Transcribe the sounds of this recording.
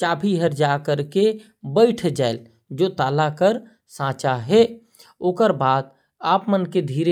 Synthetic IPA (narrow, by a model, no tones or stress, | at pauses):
t͡ʃaːbʰʱiɦəɾd͡ʒakəɾke | bəɪʈʰd͡ʒaːɪl | d͡ʒoːt̪aːlakəɾ | sãːt͡ʃaɦɛ | oːkəɾbaːd̪̚ | aːpmənked̪ʱiːɾe